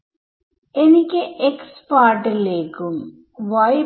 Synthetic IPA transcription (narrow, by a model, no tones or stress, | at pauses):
enikʲːɨʔekspaːɾʈːileːkːum | ʋɐj